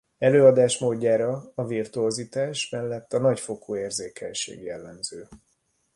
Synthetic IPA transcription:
ɛløːɒd̪aːʃmoːɟːaːɾɒɒvirt̪uɔzit̪aːʃmɛlːɛt̪ːɒnɒcfo̞kʰoːeːrzeːkʰɛ̰ɲʃḛːɡjɛlːɛmzøː

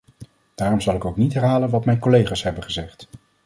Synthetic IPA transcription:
d̥aːrɔmzɑlˠɪkowknitɦɛɹɦaːlənʋɑtmɛjnkolejχaːsɦɛbənχəzɛχt

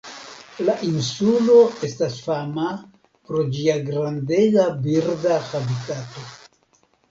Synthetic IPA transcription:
laʔinsulo̞e̞stasfama | pɾo̞d͡ʒiaɡɾande̞ɡabiɾdaxabitato̞

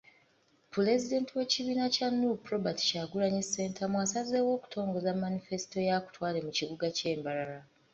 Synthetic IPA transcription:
pule̞zide̞ntiwe̞ciβiːnacanːupɾo̞bati̥ʃaɡulaɲese̞ːntʰamwasaze̞wo̞ːku̥tʰo̞ːŋɡo̞zamːanife̞si̥to̞jaku̥twaːle̞muciβuɡace̞ːmbalala

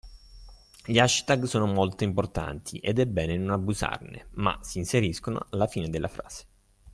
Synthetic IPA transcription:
ʎiaʃt̪aɡsoːnomolt̪oimport̪a̰nt̪ʰiʔed̪ɛbːɛːnenonabːuza̰rnḛma̰siːnseɾiskono̰alːafiːned̪elːʔa̰fɾa̰ːz̥e̥

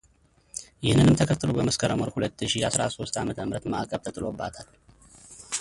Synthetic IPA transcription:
jɪhnːɨnɨmt̪ʰəkʰət̪ːɨlobəməskʰəɾəməɾhulət̪ːɨʃijasɾa̰so̞st̪amət̪ʰəmɾət̪ma̰ʔkʼəβt̪ʰət̪ʼɨlo̞bːat̪ʰal

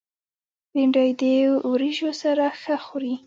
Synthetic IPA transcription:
ɾiɳɖɑjd̪ewɾiʒosaɾaxəxuɾi

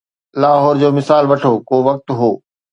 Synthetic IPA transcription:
laːɦɔːɾd͡ʑoːmɪsaːlʋɐʈʰoːkoːʋɐk̚t̪ɦoː

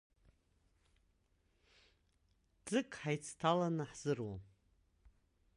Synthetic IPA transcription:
d͡zɨkʼħajt͡sʰtʰalanɨħz̥ɨrwa

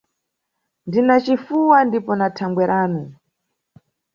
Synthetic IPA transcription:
ndinat͡ʃifuwandipɔnatʰaŋɡwɛɾaːnu

